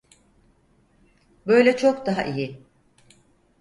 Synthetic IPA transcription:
bø̞jlʲɛt͡ʃʰo̞kd̪aɦa̰ʔijɪ

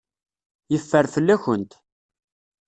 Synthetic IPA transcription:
jəfːəɾfəlːæçənt̪

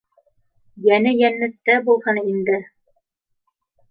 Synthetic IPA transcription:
jænɘjænːɘ̆t̪ːæbulˠhɤnind̪ɘ

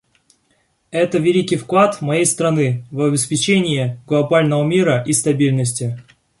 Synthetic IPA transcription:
ɛt̪əvʲɪlʲikʲɪjfklˠat̪mɐjejst̪ɾɐnɨvɐbʲɪspʲɪt͡ɕenʲɪjɪɡlˠɐbalʲnəvəmʲiɾəʔist̪ɐbʲilʲnəsʲtʲɪ

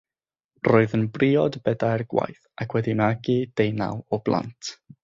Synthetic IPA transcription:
roːɨðənbrʔiɔdbɛdaɛrɡwa̰jθʔakʰwɛdimaɡid̥ejna̰wɔblˠa̰ntʰ

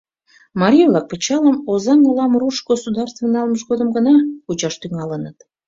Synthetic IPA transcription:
mɑɾʲijovlɑk̚pʲet͡ɕɑləmozɑŋɑlɑmruʃɡosud̪ɑrst̪vənɑlməʃɣod̪əmɡənɑut͡ɕɑʃt̪yŋɑlənət̪

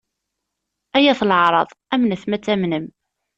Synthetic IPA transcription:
æjæθlʕɾˤɑ̰ðˤæmnəθmæt͡sːæmnəm

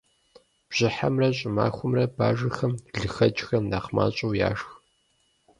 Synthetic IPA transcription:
b̥ʑ̥ɪħamrɐɕʼɪmaːxʷʊmrɐba̰ːʒɐxɐmɮɨxɐt͡ʃʼxɐmndaːqma̰ːɕʼɐwja̰ːʂx

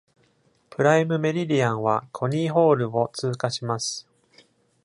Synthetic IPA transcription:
pɯ̟ɾaimɯ̟me̞ɾʲiɾʲiãɰ̃βakʰo̞ɲ̟iːɦo̞ːɾɯ̟o̞t͡sɨːkaɕimasɨ̥

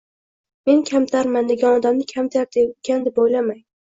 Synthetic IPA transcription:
me̞nkʲʰamt̪ʰaɾmand̪eɡʲanɒd̪amnɪkʲʰamt̪ʰaɾd̪ekʲʰand̪ɪb̚ojlamaj

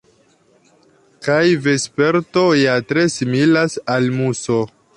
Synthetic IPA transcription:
kajve̞spe̞ɾto̞jatɾe̞similasalmuso̞

